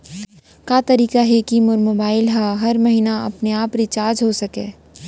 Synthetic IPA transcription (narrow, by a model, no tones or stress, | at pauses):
kaːt̪ɐɾiːkaɦɛkimʊɾmoːbaːɪlɦaɦɐɾmɐɦinaɐ̰pneaːpɾɪt͡ʃaːɾd͡ʒɦosɐkeː